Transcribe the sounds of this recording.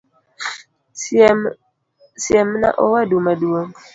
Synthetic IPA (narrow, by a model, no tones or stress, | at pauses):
siɛmna̰ʔɔwadumadwoŋ